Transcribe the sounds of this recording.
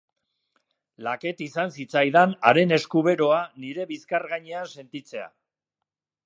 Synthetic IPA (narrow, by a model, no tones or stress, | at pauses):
lake̞t̪isansit͡sajðana̰ɾe̞ne̞skuβe̞ɾo̞aniɾe̞βiskaɾɣaɲeanse̞nt̪it͡se̞a̰